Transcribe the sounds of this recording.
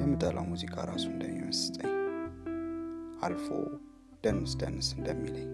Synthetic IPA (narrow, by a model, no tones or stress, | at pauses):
jɛmːɨt̪ʼːəlʔawmuzikʼaɾasuɨnd̪əmːiməsɨ̥t̪ʼəɲː | ʔalfo̰ | d̪̥ənːɨsd̪ənːɨsɨnd̪əmːiləɲː